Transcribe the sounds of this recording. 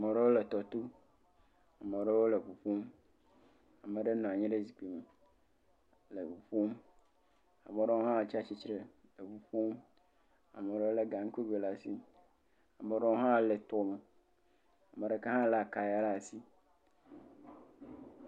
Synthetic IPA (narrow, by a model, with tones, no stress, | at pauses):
a˨me˨ɖe˦wo˦le˨t̪ɔ˨t̪o˦ | a˨me˨ɖe˦wo˦le˨ɸu˨ɸu˦m | a˨mẽ˨ɖe˦nɔ̃˨a˨ɲɛ̃˦ɖe˦zi˨k͡pe˨me˨ | le˨ɸu˨ɸu˦m | a˨me˨ɖe˦wo˦ɦã˦˨t͡ʃa˦t͡ɕi˦t͡ʃɾe˦ | le˨ɸu˨ɸu˦m | a̰˨me˨ɖe˦wo˦e˦ɡa˨ŋ̩˦ke˦be˨la˨si˦ | a˨mẽ˨ɖe˦wo˦ɦã˦˨le˨t̪ɔ˦me˨ | a˨me˨ɖe˦ka˦ɦã˦la˨ka˨ja˦la˦˨si˦